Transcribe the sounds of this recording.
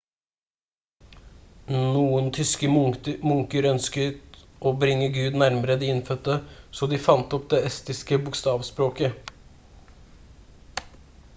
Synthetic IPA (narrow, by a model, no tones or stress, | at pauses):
nuːənt̪ʰʏskəmʊŋkəɾœnskət̪ | ʔoːbɾɪŋːəɡʉːd̪næɾməɾəd̪ɪːɪnfœt̪ːəsoːd̪ɪfɑnt̪ɔp̚d̪eːɛst̪ɪskəbʊkst̪ɑːʋspɾoːkə